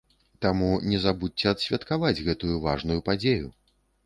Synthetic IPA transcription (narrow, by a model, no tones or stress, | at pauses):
t̪amunʲɛzabut͡sʲːɛɐt̪ɕʲvʲɐt̪kavad͡zʲɣɛt̪ujuva̰ʐnujupad͡zʲeju